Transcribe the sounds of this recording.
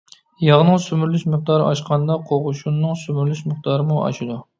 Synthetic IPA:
jɑʁnɨŋsymyɾlyʃməχ̚d̪ɑɾɨɑʃqʰɑnd̪ɑqʰoʁʊʃunːɨŋsymyɾlyʃməχd̪ɑɾɨmuɑ̰ʃid̪u

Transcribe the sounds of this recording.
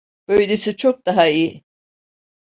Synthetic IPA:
b̥øjlʲesit͡ʃʰok̚d̪aɦaiji

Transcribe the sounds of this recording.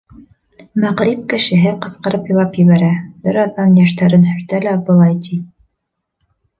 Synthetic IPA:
mæʁɾip̚kɘ̆ʃɘ̆ɦɘqɤ̆sqɤ̆ɾɤpjɤ̆lˠɑpjɘ̆βæɾæbɘɾɑðɑnjæʃt̪æɾɘnhɵ̆ɾt̪ælæbɤ̆lˠɑjt̪i

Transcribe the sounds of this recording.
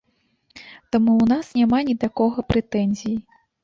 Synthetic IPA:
t̪amuwnasnʲamanʲid̪akɔɣɐpɾʔɛt̪ɛnʲzʲiji

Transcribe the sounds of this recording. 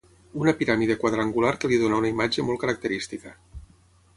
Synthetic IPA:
unəpiɾamiðekwað̞ɾaŋɡulaɾkəliðonaunaimad͡ʒemɔlˠkəɾak̚t̪əɾist̪ikə

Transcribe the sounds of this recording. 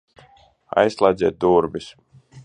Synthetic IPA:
a̰jslˠajd̪zʲɛt̪̚d̪uɾbis

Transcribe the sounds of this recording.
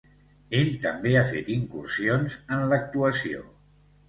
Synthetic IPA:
eʎt̪əmbeafet̪iŋkursionzənlək̚t̪uəsio̰

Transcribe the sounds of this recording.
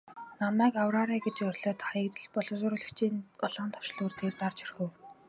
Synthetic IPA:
namæːkawraːɾæːɡet͡ɕjɔrʲɮɔ̆ːt̪χajə̆k̚t̪ə̆ɮpɔɮʊ̆sʊːɾʊ̆ɮɘ̆kt͡ɕʰiːnʊɮaːnt̪ʰɔ̥wʃɮuːrt̪ʰeːrt̪art͡ɕirxɘ̆w

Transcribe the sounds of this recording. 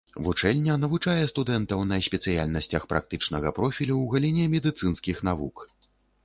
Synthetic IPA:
vut͡ʂɛlʲnʲːɐnɐvut͡ʂajɛst̪ud̪ɛnt̪ɐwnɐsʲpʲɛt̪sɨja̰lʲnɐsʲt͡sʲɐxpɾʔa̰k̚t̪ɨt͡ʂnɐɣɐpɾɔfʲilʲuwɣɐlʲinʲɛmʲɛd̪ɨt̪sɨnskʲixn̪avuk

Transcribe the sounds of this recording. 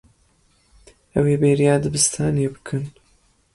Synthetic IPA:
ʔɐweːbeːɾjaːd̪ɨbɨst̪ʰaːnebɨkʰɨn

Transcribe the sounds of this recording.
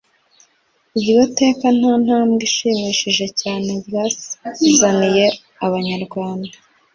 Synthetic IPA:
ibiβote̞ːkan̥aːn̥haːmɡiʃiːmiʃiʒe̞caːne̞bjasi̥izanije̞ | aβaɲaɾɡwaːnda

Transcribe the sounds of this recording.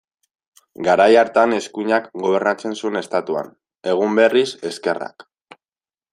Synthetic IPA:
ɡaɾajaɾt̪ane̞skuɲakɡo̞β̞e̞ɾnat͡se̞nsue̞ne̞st̪at̪ua̰n | e̞ɣ̞umbe̞rise̞ske̞ra̰k

